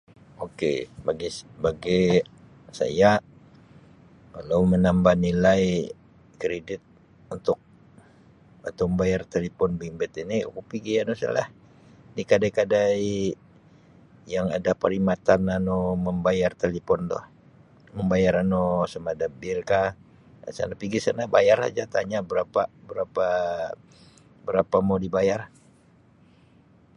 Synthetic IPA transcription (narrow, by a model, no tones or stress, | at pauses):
okḛbaɡibaɡi | sa̰ja | kalawmənambahnilai | kɾedɪt̪̚ | unt̪ʊk̚ | at̪awməmbajart̪elipɔnbiŋbɛt̪inikupiɡianusa̰la̰h | dikadajkadai | jaŋa̰dapəɾimat̪ananoməmbajart̪elepɔnt̪ɔ̰h | məmbajaɾanosamadabɪrka̰ | sa̰napiɡisanaba̰jara̰d͡ʒat̪aɲabəɾapabəɾapa | bəɾapamodibajar